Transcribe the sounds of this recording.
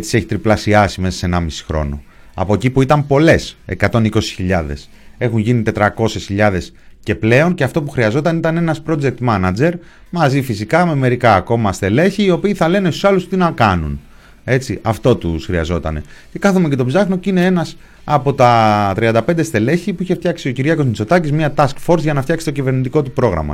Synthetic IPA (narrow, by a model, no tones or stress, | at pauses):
t͡si̥se̞çi̥t̪ɾiplɐsiɐsime̞sɐse̞nɐmisi̥xɾo̞̰no̞̰ | ɐ̰pocipuit̪ɐmpo̞le̞se̞̰kɐt̪o̞niko̞si̥çiʎɐðe̞̰s | e̞xunʝinit̪e̞t̪ɾɐko̞se̞sçiʎɐðe̞sce̞ple̞o̞nce̞ɐft̪o̞puxɾiɐzo̞t̪ɐnit̪ɐne̞nɐspɾo̞d͡zek̚t̪mɐnɐd͡ze̞ɾ | mɐzifisikɐme̞me̞ɾikɐːko̞mɐst̪e̞le̞çiːo̞piːθɐle̞nest̪u̥sɐlust̪inɐkɐnṵn | e̞t͡siʔɐft̪o̞t̪usxɾiɐ̰zo̞t̪ɐ̰ne̞̰ | ce̞kɐθumece̞t̪o̞bzɐxno̞cine̞e̞nɐs | ɐpo̞t̪ɐt̪ɾiɐnd̪ɐpend̪est̪e̞le̞çipuiçe̞ft̪çɐksio̞ciɾʝɐko̞znit͡so̞t̪ɐcizmiɐt̪ɐskfo̞ɾzʝɐnɐft̪çɐksi̥t̪o̞cive̞ɾnit̪iko̞t̪upɾo̞ɣɾɐ̰mɐ̰